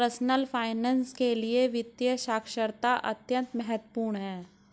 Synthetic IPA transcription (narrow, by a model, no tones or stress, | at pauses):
əɾsnəlfʰaːɪnɛ̃ːnskelieʋɪt̪jəʃaːkʰʃəɾt̪aʔɐ̰t̪jə̃nt̪mɛɦət̪wəpuːɾɳɦɛ̃ː